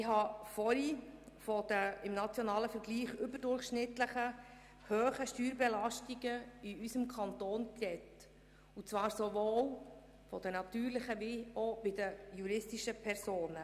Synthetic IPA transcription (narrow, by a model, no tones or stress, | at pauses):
ɪɦɑfɔɾifɔd̥̪əɪmnɑt͡sjɔnɑːləfɛɾɡliːχʏbəɾdʊrχʃnɪt̪ləχə | høːχəʃtyːɾbɛlɑʃtiɡəiysəmkʰɑnt̪oːnkrɛt | ut͡sʋɑːɾsovoːw | fɔd̥̪ənɑt̪yːɾlɪχəʋiobɪd̪əjuɾɪstiʃəpʰɛɾsoːnə